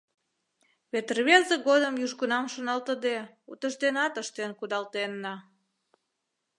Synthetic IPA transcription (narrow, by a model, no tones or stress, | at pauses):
βet̪ərβezeɣod̪əmjyʒɣunɑmʃonɑlt̪əd̪e | ut̪əʒd̪enɑt̪əʃt̪enkud̪ɑlt̪enːɑ